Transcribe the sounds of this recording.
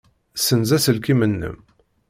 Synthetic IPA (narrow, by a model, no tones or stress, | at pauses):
sənzæsəlkimənːə̰m